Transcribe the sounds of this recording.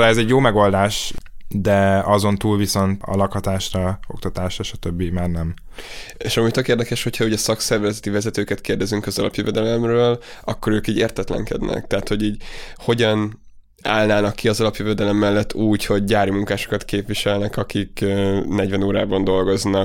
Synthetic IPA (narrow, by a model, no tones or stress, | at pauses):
laɛzɛɟjoːmɛɡo̞ld̪aːʃd̪ɛɒzo̞nt̪uːlviso̞nt̪ɒ̰lɒkhɒt̪aːʃrɒok̚t̪ɒt̪aːʃɾɒʃɒ̥t̪øbːimaːrnɛm | eːʃɒmuːɟt̪økeːrd̪ɛkɛʃhochɒuɟɛsɒksɛrvɛzɛt̪ivɛzɛt̪øːkɛt̪keːrd̪ɛzyŋkɒzɒlɒ̰pjøvɛd̪ɛlɛmrøːlɒkːo̞ɾøːkiːɟeːrt̪ɛt̪lɛ̰ŋkɛ̰d̪nɛ̰k̚t̪ɛɦːt̪ho̞ɟiːɟho̞ɟɒn | a̰ːlnaːnɒkːiɒzɒlɒpjøvɛd̪ɛlɛmːɛlːɛt̪ːuːcho̞ɟɟaːɾimuŋkaːʃo̞̥kɒt̪keːpʋiʃɛlnɛkɒkikːnɛɟvɛnoːɾa̰ːbɒnd̪o̞lɡo̞znɒ